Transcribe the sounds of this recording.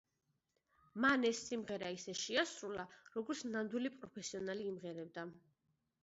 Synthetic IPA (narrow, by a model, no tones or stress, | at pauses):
manɛsːimʁɛɾaisɛʃiasɾulaɾɔɡɔɾt̪sʰnand̪wilipʼɾɔpʰɛsiɔnaliːmʁɛɾɛb̚d̪a